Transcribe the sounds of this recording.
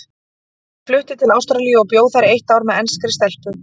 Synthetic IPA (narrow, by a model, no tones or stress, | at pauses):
flʏht̪ɪt̪ʰɪlaːwst̪ɾalijʏɔpjoːwθaɾɪeht̪aːwɾmɛðɛnskɾɪst̪ɛl̥pʏ